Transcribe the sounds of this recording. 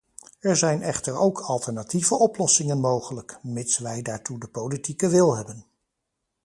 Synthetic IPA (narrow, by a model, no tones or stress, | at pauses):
ɛɹzɛjnɛχtəɹowkʰɑlˠtəɹnativəʔɔplɔsɪŋənmowχələkmɪtsʋɛjdaːɹtudəpowlitikəʋɪlˠɦɛbən